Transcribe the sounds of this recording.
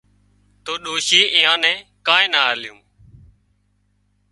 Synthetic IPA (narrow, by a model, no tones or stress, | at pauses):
t̪oːɗoːʃiːʔɪːãːnɛ̃ːkãːẽːnaːljṵ̃ː